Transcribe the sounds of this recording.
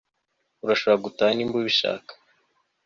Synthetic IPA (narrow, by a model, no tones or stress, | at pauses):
uɾaʃoβɾaɡutaːnimbuβiʃa̰ːkḁ